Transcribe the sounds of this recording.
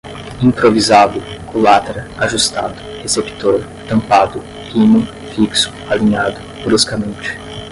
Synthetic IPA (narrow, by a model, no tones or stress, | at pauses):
ĩpɾovizad̪ʊkõlat̪eɾɐaʒust̪ad̪ʊ̥hesept̪oɾ | t̪ɐ̃mpad̪ʊ | pʰinʊ | fiksʊ̥aliɲad̪ʊ | bɾuskɐmẽnt͡ʃɪ̥